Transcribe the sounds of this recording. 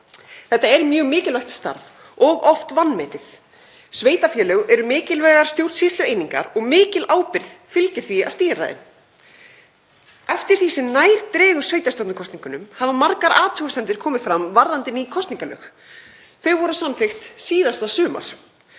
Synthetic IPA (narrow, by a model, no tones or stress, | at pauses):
θɛht̪ːaɛɾmjœɣmɪːcɪlaxt̪st̪a̰ɾv | ɔɣɔft̪vanːmɛːt̪ɪθ | sveːjt̪afjɛːlœɣɛɾʏmɪːcɪlvɛːɣaɾ̥st̪jowɾt̪sist̪lʏejniŋka̰ɾɔɣmɪːcɪlaːwpɪɾðfɪlcɪθvia̰̥st̪iːɾa̰ðɪ̰n | ɛft̪ɪɾ̥θisɪnaːjɾ̥t̪ɾɛːɣʏ̥sveːjt̪ast̪ɔwt̪nʏkʰɔst̪niŋkʏnʏmhavamaɾkaɾʔaːt̪ʰœːɣasɛnt̪ɪɾ̥kʰɔːmɪfɾamvaɾðant̪ɪnikʰɔst̪niŋkalœ̰ːx | θœɥɣvɔɾʏsanfext̪siːðast̪asʏːma̰ɾ̥